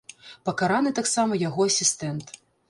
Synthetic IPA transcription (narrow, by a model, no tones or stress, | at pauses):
pɐkaɾanɨt̪aksamɐjaɣɔɐsʲist̪ɛnt̪